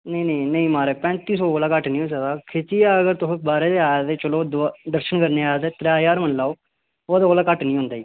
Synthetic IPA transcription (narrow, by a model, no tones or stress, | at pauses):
nəĩnəĩnəĩːmaːɾeːpɛ̃ːt̪iːsoːoːlaːkəʈnĩːɦoːsəd̪aːkʰɪt͡ʃiːaːəɡəɾt̪ʊsõk̚baːɾeːt̪eːaːjaːt̪eːt͡ʃəloːd̪d̪əɾʃəɳkəɾneːaːjaːt̪eːt̪ɾaːjaːɾmənlaːoː | oːd̪aːoːlaːkəʈnĩːɦʊ̃ːnd̪aːiː